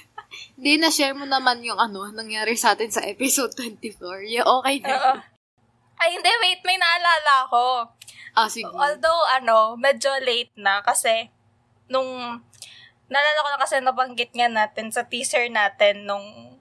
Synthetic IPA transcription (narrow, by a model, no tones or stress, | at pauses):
hɪnd̪inɐʃɛɹmonɐmanjʊŋʔɐno̞nɐŋjaːɾɪsɐʔaːt̪ɪnsɐʔɛpɛsod̪̚t̪wɛnt̪ɪfoɹjʔoːkɛjnoːʔo | ʔɐjhɪnd̪ɛwejt̪̚mɐjnɐʔɐlaːlɐɐko̞ʔasɪɡʔoːld̪owʔɐno̞mɛːd͡ʒolejt̪̚nɐkɐsɛ | nʊŋ | nɐlaːlakonɐkɐsɛnɐbɐŋɡɪt̪̚ŋɐnaːt̪ɛnsɐt̪iːsɛɹnaːt̪ɛnːʊŋ